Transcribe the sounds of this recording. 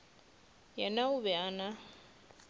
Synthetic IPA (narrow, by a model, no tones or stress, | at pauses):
jɛnauβɛana